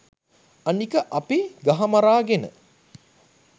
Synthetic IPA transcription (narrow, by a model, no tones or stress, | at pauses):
anikəʔɐpiɡaɦamaɾaːɡenə̰